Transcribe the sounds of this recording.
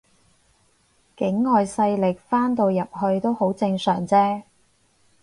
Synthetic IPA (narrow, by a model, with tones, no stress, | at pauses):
kɪ˨˥ŋːɔː˨jsɐ˧jlɪ˨k̚faː˥nt̪o˧wjɐ˨p̚hɵ˧ɥt̪o˥who˨˥wt͡sɪ˧ŋsœː˨˩ŋt͡sɛː˥